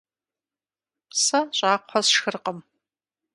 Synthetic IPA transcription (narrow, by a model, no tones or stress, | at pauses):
sɐɕʼaːqʷħɔsʃxɨrqəm